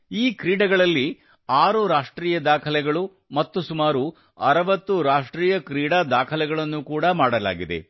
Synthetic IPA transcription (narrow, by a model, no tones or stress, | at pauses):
iːkɾiːɽɐɡɐɭɐlːi | aːɾuɾaːʂʈɾiːjɐd̪aːkʰɐlɛɡɐɭu | mɐt̪ːusumaːɾu | ɐɾɐʋɐt̪ːuɾaːʂʈɾiːjɐkɾiːɽaːd̪aːkʰɐlɛɡɐɭɐnːukuːɽɐmaːɽɐla̰ːɡid̪e̞̰